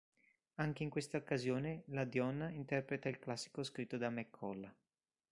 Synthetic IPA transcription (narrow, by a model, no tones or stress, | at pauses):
aŋk̟eiŋkwest̪aokːazjoːnelad̪jɔnːaint̪ɛrpɾet̪ailklasːi̥koskɾit̪ːod̪amekʰːɔla